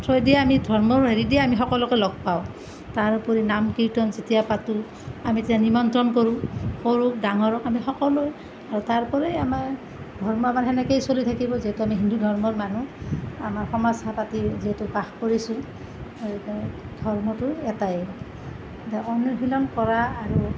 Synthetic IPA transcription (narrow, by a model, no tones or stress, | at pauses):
tʰɹɔjdiaamidʱɔɹmɔɹɦeɹidiɛamixɔkɔlɔkojlɔɡ̚paʊ̃ | taɹpɔɹinamkiɹtɔnzitijapatu | amititanimɔntɹɔnkoɹũxoɹuk̚daŋɔɹɔkamixɔkɔlɔj | aɹutaɹpɔɹejamaɹ | dʱɔɹmɔamanɦɛnɛkejsolitʰakibɔziɦetuamiɦindudʱɔɹmɔɹmanuamaɹxɔmasapatiziɦɛtubaxkoɹisʊ̃ | dʱɔɹmɔtʊɛtaj | taɔnjɔɦilɔnkɔɹaːɹu